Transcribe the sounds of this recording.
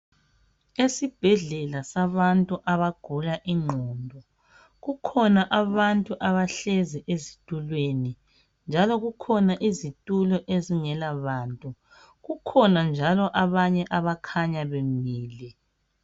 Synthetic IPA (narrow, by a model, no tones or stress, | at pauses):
esib̥ʱɛɮɛlasaβantʼuʔaβaɡ̥ʱulaʔiŋ͡ǃʱɔːndʱɔ | ɣukʰɔnaʔaβantʼuʔaβaɬeziʔezitʼulweni | nd͡ʒʱalɔɣukʰɔnaʔizitʼulɔʔeziŋɛlaβaːntʼu | ɣukʰɔnand͡ʒʱalɔʔaβaɲɛʔaβakʰaɲaβemiːlɛ